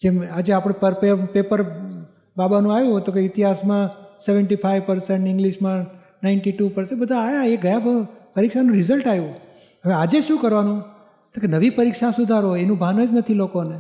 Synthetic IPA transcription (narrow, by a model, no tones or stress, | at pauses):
d͡ʒemad͡ʒeapɽ̃epəɾpepepəɾ | babanũajũt̪okeɪt̪iɦasmãseʋəɳʈifʰajʋpəɾseɳʈɪ̃ŋɡliʃmã | naɪɳʈiʈupəɾsebəd̪ʱaːjaeɡəjapəɾikʃanũɾɪzəlʈajũ | ɦəʋead͡ʒeʃũkəɾʋanũ | t̪okenəʋipəɾikʃasʊd̪ʱaɾoenũbʱanəd͡ʒnət̪ʰilokone